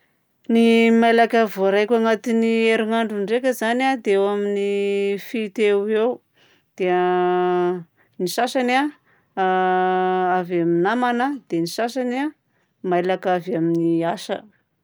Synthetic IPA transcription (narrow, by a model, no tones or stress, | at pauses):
nimajlakavoɾajkʲaŋat̪inieɾiŋaɳɖ͡ʐuɳɖ͡ʐekʲəzanad̪eewaminifit̪ewew | d̪̥ea | niʃasana | avaminamanəd̪̥enisasana | majlakavaminiasə̰